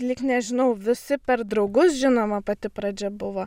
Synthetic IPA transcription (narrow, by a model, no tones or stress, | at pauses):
lʲɪknʲɛʒʲɪnɐʊʋʲɪsʲɪpʲɛɾd̪ɾɒʊɡʊsʒʲɪnoːmɐpɐt̪ʲɪpɾɐd͡ʒʲɛbʊʋoː